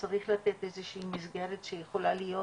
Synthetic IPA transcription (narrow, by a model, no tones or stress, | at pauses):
t͡saʁiχlat̪et̪e̞zeʃiːmizɡeʁetʃejeχo̞lalijo̞